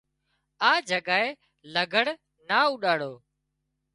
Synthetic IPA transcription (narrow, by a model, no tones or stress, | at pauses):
aːd͡ʒʱəɠaːeː | ləɡʱəɽ | naːuːɗaːɽoː